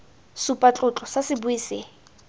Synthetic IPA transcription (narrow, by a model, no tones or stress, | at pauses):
supʼat͡ɬʼʊt͡ɬʼɔsasɪbʊiːsɪːŋ